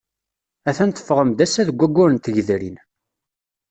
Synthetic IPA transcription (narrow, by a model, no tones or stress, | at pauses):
æθænt̪ə̥fʁəmd̪æsːæðəɡʷːæɡʷːʊɾənt̪əʝðɾḭn